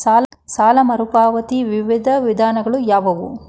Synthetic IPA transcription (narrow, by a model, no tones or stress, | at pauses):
saːlsaːlɐmɐɾupaːʋɐt̪iʋiʋid̪ʱɐʋid̪ʱaːnɐɡɐɭujaːʋɐʋṵ